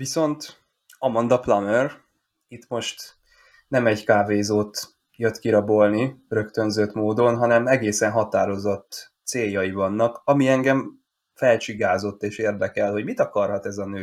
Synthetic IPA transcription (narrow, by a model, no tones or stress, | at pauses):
viso̞nt̪ | ɒmɒnd̪ɒplɒmør | it̪mo̞ʃt̪ | nɛmɛɟkaːveːzoːt̪ | jøt̪kiɾɒbo̞lnirø̞kt̪ø̞nzøːt̪moːd̪o̞nɦɒnɛmɛɡeːsɛnɦɒt̪aːɾo̞zo̞t̪ː | seːjːɒjivɒnːɒkɒmiɛŋɡɛɱ | fɛlt͡ʃiɡaːzo̞t̪ːeːʃeːrd̪ɛkɛlho̞ɟmit̪ɒkɒrhɒt̪ɛzɒnøː